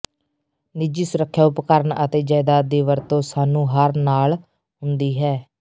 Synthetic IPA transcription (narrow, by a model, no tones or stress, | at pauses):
nɪd͡ʒiːsʊɾəkʰːjaːʊpkəɾənət̪eːd͡ʒaːɪd̪aːd̪iːʋəɾt̪õːsaːnũːɦəɾnaːl | ɦʊnd̪iːɦɛː